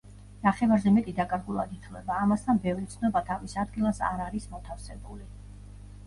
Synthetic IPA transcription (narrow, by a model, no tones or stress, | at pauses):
naχɛvaɾzɛmɛt̪ʼid̪akʼaɾɡulˠa̰d̪it̪ʰlɛ̰baːmast̪ʰanbɛvɾit̪sʰnɔbat̪ʰavisad̪ɡilˠasa̰ɾaɾismɔt̪ʰafsɛbuli